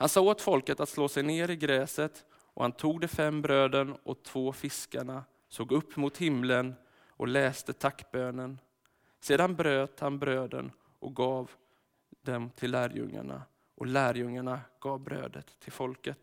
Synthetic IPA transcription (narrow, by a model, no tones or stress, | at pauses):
hansɑːoːt̪fɔlkət̪at̪sloːsɛjneːɾɪɡɾɛːsət̪ | ʔɔ̰hant̪ʰuːɡ̚d̪ɛfɛmːbɾøːd̪ənʔɔt̪ʰv̥oːfɪskaɳa | soːɡɵpːmʊt̪hɪmlən | ʔɔ̰lɛːst̪ət̪ʰakːbøːnən | seːd̪anbɾøːt̪hanbɾøːd̪ə̰n | ʔɔ̰ɡɑːv | d̪ɛmt̪ʰɪlːæːɾjɵ̰ŋːa̰ɳa̰ | ʔɔlæːɾjɵŋːaɳaɡ̥ɑːvbɾø̰ːd̪ə̰t̪ʰːɪlfɔlkət̪